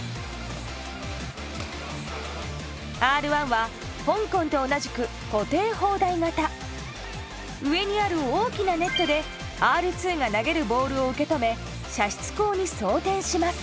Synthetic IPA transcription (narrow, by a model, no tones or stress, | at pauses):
aːɾɯ̟βãɰ̃βa | hõ̞ŋkõ̞nt̪o̞ːnaʑikɯ̟ | ko̞t̪e̞ːho̞ːd̪aiŋat̪a | ɯ̟e̞ɲ̟iaɾɯ̟oːkʲinane̞t̪ːo̞d̪e̞ | aːɾɯ̟t͡sɨːŋanaɡe̞ɾɯ̟bo̞ːɾɯ̟o̞ɯ̟ke̞t̪o̞me̞ | ɕaɕi̥t͡sɨ̥ko̞ːɲ̟iso̞ːt̪ẽ̞ɰ̃ɕimasɨ̥